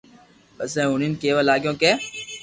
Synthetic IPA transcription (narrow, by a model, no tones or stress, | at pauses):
pəsɛ̃ːʊniːnkeːʋaːlaːɡjõːkẽː